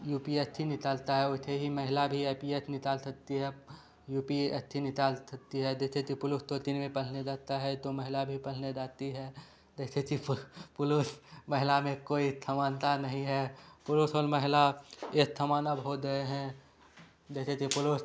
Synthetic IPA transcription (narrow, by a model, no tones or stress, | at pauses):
juːpiest̪ʰinɪt̪aːlt̪aɦɛʊɦt̪ʰeɦiməɦɪlabʱieːpiesnɪt̪aːlsək̚t̪iɦɛ | juːpiḛt̪ʰinɪt̪aːlsɐk̚t̪iɦɛd̪eːt̪ʰet̪ipʊlʊst̪ot̪inmẽpəl̤ned͡ʒaːt̪aɦɛt̪oməɦɪlabʱipəl̤ned͡ʒaːt̪iɦɛ | d̪eːt̪ʰet̪ipʊlosməɦɪlamẽkoːit̪ʰəmaːnt̪anɐɦĩɦɛpʊlosɔːɾməɦɪlaet̪ʰːəmaːnabʱɦoɡəeɦɛ̃ | d͡ʒeːt̪et̪ipʊloːs